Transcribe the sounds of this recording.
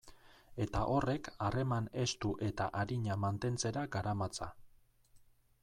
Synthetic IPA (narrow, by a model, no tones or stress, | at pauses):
e̞t̪aʔo̞re̞kare̞mane̞st̪uʔe̞t̪a̰ʔaɾiɲamant̪e̞nt͡se̞ɾaɡaɾamat͡sa̰